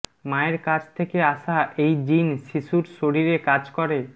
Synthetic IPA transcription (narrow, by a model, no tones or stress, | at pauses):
maeɾkad͡ʑʰt̪ʰekeaʃaʔejd͡ʑinʃiʃuɾʃoɾiɾekad͡ʑkɔɾe